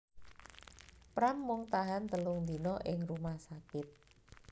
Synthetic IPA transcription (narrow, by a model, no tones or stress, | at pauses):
pɾamːʊŋt̪aɦant̪əlʊŋnd̪inɔʔɪŋrumahsakɪt̪̚